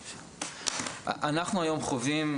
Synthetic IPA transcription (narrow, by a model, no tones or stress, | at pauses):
ʔanaχnuajo̞mχovim